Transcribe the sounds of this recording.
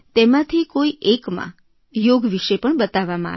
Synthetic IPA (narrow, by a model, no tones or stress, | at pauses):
t̪emãt̪ʰikoiekmã̰ | joɡʋiʃepəɳbət̪aʋamã̰